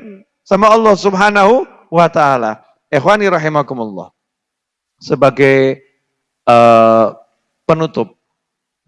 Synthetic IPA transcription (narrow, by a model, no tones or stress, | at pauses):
samaɑlˠˤːɑhsubħanaɦu | wat̪aala | ʔɛxwaniɾɑħimakʊmʊlːɑ̰h | səbaɡaj | ʔə | ənut̪ʊp̚